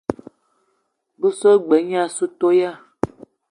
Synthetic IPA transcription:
bu˦so˦ɡ͡bɛ˨˦ɲ˦ã˦su˦t̪o˦ja˦

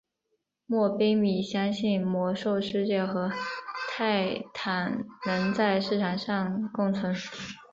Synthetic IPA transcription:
mwɔ˥˩pe˥mi˨˩ɕjɑ˥ŋɕi˥˩nmwɔ˧˥ʂo˥˧ʊʂɻ̩˥˧t͡ɕjɛ˥˩xɤ˧˥t̪ʰa˥˩ɪt̪ʰa˨˩nnə˧˥nt͡sa˥˧ɪʂɻ̩˥˩ʈ͡ʂʰɑ˨˩ŋʂɑ˥˧ŋkʊ˥˩ŋt͡sʰɤ˧˥ŋʂu˨˦

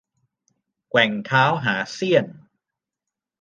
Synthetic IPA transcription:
kwɛ˨˩ŋt̪ʰaː˦˥wɦaː˩˦si˥˩ən

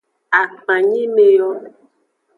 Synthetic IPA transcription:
a˨k͡pã˨ɲĩ˦me˨jɔ˦

